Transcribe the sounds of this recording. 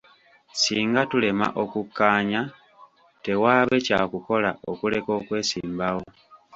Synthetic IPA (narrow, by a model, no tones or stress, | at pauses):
siːŋɡatule̞ma̰ʔo̞kukːaːɲa | te̞waːβe̞caːkuko̞lao̞kule̞ko̞ːkwe̞ːsḭːmbawo̞